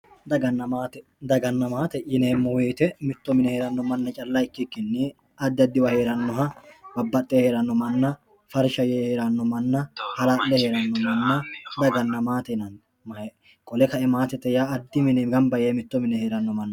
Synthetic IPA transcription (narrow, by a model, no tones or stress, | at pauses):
d̪ɐɡɐnːɐmaːt̪ɛ | d̪ɐɡɐnːɐmaːt̪ɛʔɪneːmːɔweːt̪ɛmɪt̪ːɔmɪnɛheːɾɐnːɔmɐnːɐt͡ʃʼɐlːɐɪkːɪkːɪnːɪ | ɐd̪ːɪɐd̪ːɪwɐhe̞ːɾɐnːɔɦɐbɐbːɐt̪ʼːɛhe̞ːɾɐnːɔmɐnːɐ | fɐɾʃɐjeheːɾɐnːɔmɐnːɐhɐlaːʔlɛheːɾɐnːɔmɐnːɐd̪ɐɡɐnːɐmaːt̪ɛnɐn | m | kʼɔlɛkɐɛmaːt̪ɛt̪ːɛjaɐd̪ːɪmɪnɛɡɐmbɐjeːmɪt̪ːɔmɪnɛhe̞ːɾɐnːɔmɐnːɐ